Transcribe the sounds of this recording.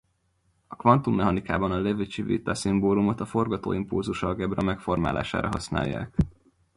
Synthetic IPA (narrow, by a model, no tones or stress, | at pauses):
ɒkʋɒnt̪umːɛɦɒnikaːbɒnɒlɛvit͡ʃivḭt̪ɒsimboːlumo̞t̪ɒfo̞rɡɒt̪o̰ːimpulzuʃɒɡɛbrɒmɛkfo̞rma̰ːlʔa̰ːʃa̰ːɾɒɦɒsna̰ːjːa̰ːk